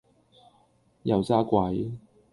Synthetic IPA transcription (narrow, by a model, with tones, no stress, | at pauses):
jɐ˨˩wt͡saː˥kwɐ˨˥j